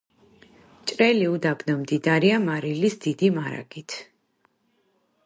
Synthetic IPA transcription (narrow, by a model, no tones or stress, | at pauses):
t͡ʃʼɾɛliud̪abnɔmd̪id̪aɾiamaɾilisd̪̥id̪imaɾa̰ɡ̥it̪ʰ